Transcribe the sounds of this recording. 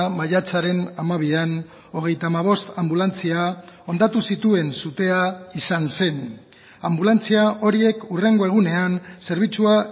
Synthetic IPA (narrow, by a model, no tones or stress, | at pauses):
maʎat͡saɾe̞namaβian | o̞ɣ̞e̞jt̪amaβ̞o̞st̪ambulant͡siao̞nd̪at̪usit̪ue̞nsut̪e̞aisanse̞n | ambulant͡siaʔo̞ɾie̞kure̞ŋɡo̞e̞ɣ̞une̞anse̞ɾβ̞it͡sua